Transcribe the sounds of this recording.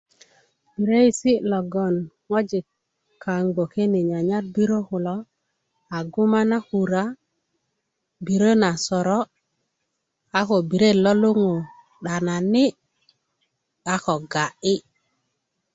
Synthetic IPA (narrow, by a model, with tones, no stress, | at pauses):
b̥i˨ɾe˦i˨si˦lo˨ɡo˨n | ŋo˦d͡ʒi˨ | ka˨ŋɡo˨ke˦ni˨ɲa˨ɲa˦t̚bi˦ɾo˦hu˨lo˦ | a˨ɡu˦ma˦na˦hu˨ɾa˦ | bi˨ɾo˦na˨sɔ˨ɾɔ˦ | a˦ko˨bi˨ɾe˦lo˦lu˦ŋo˨ | ɗa˨na˨ni˦ | a˦ko˨ɡa˨ʔi˦